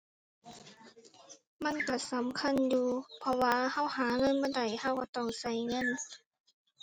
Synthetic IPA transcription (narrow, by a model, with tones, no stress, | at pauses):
ma˧˥˨nka˧˩sa˨˦mkʰa˧˥˨njuː˧pʰɔ˧waː˧ha˧˥˨whaː˩˦ŋɤ˧˥˨nbɔː˧˥˨da˨˩jha˧˩wka˧˩t̪ɔː˧˩ŋsa˧˩jŋɤ˧˥˨n